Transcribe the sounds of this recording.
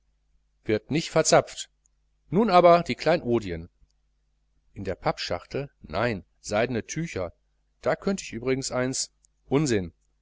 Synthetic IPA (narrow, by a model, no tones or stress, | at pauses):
v̥ɪɐtnɪçtfɛɐt͡sap͡ft | nuːnaːbɐdiːkl̥aɪnnʔoːdiən | ʔɪndeːɐpʰapʃa̰χtl̩na̰ɪn | z̥aɪdnətʰyːçɐ | d̥aːkʰœntəɪçʔyːbʁɪɡŋ̩sʔaɪns | ʔʊnzɪn